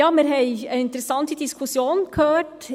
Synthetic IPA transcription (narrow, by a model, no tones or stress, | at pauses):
ɑːmɛɾɦɛɪəɪnt̪əɾəsɑnt̪əd̪ɪskʰʊsjuːnkʰøːʈ